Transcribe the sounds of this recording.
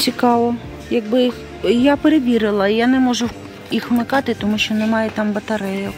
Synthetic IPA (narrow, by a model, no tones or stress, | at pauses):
t͡sʲikɑʋɔ | jɐɡ̚bɪ | japeɾeʋʲiɾɪlˠɐijanɛmɔʒʊ | ixʋmɪkɑt̪ɪt̪ɔmuʃt͡ʃɔnɛmɑjɛt̪ɑmbɐt̪ɐɾɛjɔ